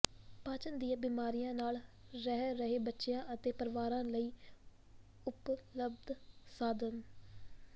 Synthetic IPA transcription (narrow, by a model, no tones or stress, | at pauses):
pãːt͡ʃənd̪ijãːbiːmaːɾijãːnaːl | ɾɛɦɾəɦeːbətːʃejãːʔət̪eːpəɾʋaːɾãːləiː | ʊpləb̚d̪saːd̪ən